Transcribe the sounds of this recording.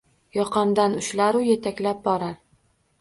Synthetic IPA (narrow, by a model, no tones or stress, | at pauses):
jɒqɑmd̪anʊʃlaɾʊjet̪ʰakʲlap̚bɒɾaɾ